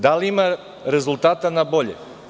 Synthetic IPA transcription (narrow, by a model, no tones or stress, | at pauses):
d̪aliima | ɾe̞zulˠt̪aːt̪anabo̞ʎḛ